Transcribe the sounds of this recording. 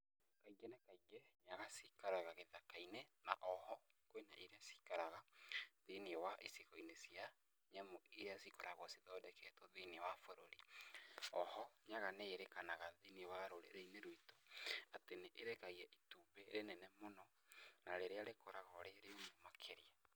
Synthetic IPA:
kaiɡɛnakaiɡɛɲaɣasikaɾaɣaɣeðakainena̰ʔɔhɔkwenaʔiɾeasi̥kaɾaɣaðiniwaʔesikoinesia | ɲɛmoiɾeasikɔɾaɣwɔsiðɔːdɛkʰɛtɔðiniwafoɾo̰ɾi | ɔhɔɲaɣaneːɾekanaɣaðiniewaɾoɾḛɾeineɾwitoateneʔeɾekaiɛʔitubeɾenɛnɛmonɔ | naɾeɾeaɾekoɾaɣaɔɾeɾeomomakʰeɾia

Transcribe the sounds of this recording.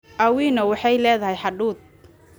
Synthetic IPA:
ʔɐwiːnɐwɑħɑjlɛːðɐɦɛjħɑɖuːd̪̚

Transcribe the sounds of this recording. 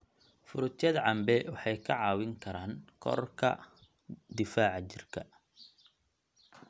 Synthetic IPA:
fʊɾʊt̪ʰjɐðɐʕɑmbɛwɑħɑjkʰɐʕɑːwɪŋkʰɐɾaːŋkʰɔ̰rkʰɐ̰ | d̪ɪfaːʕt͡ʃɪrkʰɐ

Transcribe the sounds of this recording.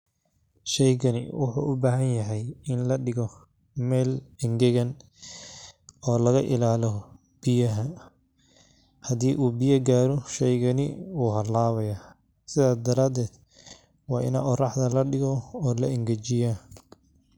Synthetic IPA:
ʃɛjɣɐnɪ̰wʊ̰ħṵːʔʊbaːɦɐnjɐɦɛjɪnlɐɖɪɣɔ | mɛːlɪŋɡɛɣɐn | ɔːlɐɣɐʔɪ̰laːlɔ | b̥ɪjɐɦɐ | hɐd̪iːʔuːbɪjɐɡaːɾɔʃɛjɣɐnɪ̰uːɦɐlaːβɐja | sɪðaːsd̪ɐɾaːd̪ɛːd̪̥ | wɑːʔɪ̰nɐʔɔrɑħd̪ɐlɐɖɪɣɔɔːlɐɪŋɡɐt͡ʃɪja

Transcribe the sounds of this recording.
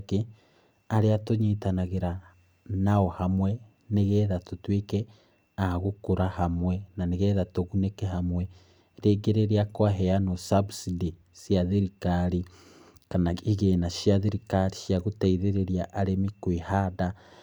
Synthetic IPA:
ki | aɾeatoɲitanaɣeɾa | naohamwe | neɣeðatutwike | ahaɣukuɾahamwenaneɣeːðatoɣunekeɦamwe | ɾeːɡeɾeɾiakwaɦejanosabusidi | sjaðiɾikaɾi | kanaiɣenaʃiaðiɾikaɾiʃjaɣutaiðeɾeɾjaʔːɾemikwihada

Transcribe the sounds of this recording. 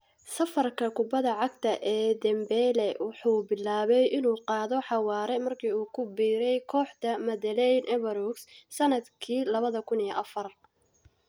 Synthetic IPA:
sɐfɐrkʰɐkʰʊbɐðɐʕɑɡt̪ʰɐʔɛːd̪ɐmbɛlɛwɑħuːbɪlaːβɛjʔɪnuːqɑːðɔħɑwɑːɾɛmɐrkʰiːuːkʰʊbiːɾɛjkʰɔːħt̪ɐmɐðɐlɛjnʔɛβɐɾɔɡssɐnɐd̪kʰiːlɐβɐðɐkʰʊnijʔɐfɐr

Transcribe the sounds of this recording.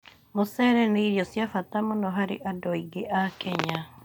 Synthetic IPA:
mosɛɾɛneiɾjɔsjafatamonɔɦaɾḛʔadɔiɡeʔakɛɲa

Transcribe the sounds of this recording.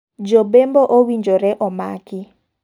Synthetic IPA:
d͡ʒobemboʔowiɲd͡ʒoɾɛʔɔmakɪ

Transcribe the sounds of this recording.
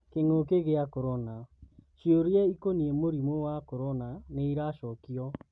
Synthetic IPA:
keŋokeɣeakɔɾɔnaʃioɾjɛikoniemoɾimowakɔɾɔnaneiɾaʃɔkiɔ

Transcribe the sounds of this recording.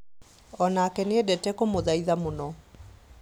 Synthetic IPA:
ɔnaːkɛneɛdɛtɛkomoðaiðamonɔ

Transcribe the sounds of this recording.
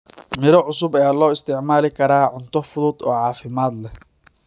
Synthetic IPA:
mɪɾɔʕʊsʊbɐjaːlɔːɪst̪ɪʕmaːlɪkʰɐɾaːʕʊnt̪ʰɔfʊðʊd̪ɔːʕɑːfɪmaːd̪lɛ

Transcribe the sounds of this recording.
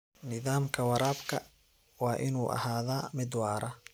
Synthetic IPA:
nɪðaːmkʰɐwɐɾaːbkʰɐ | wɑːʔɪnuːʔɐ̰haːðaːmɪd̪wɑːɾɐ

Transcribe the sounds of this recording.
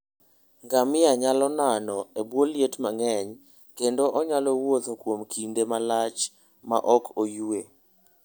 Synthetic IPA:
ŋɡamɪaɲalɔnanɔebwoljetmaŋɛɲ | kendoʔɔɲalɔwot̪okwomkʰindemalat͡ʃ | ma̰ʔɔkojue

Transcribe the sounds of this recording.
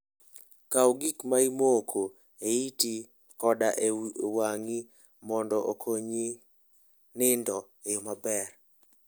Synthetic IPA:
kawɡikmaimokʰo | eiti | kɔdaʔewaŋi | mɔndɔʔokʰoɲi | nɪndɔ | ejomabɛr

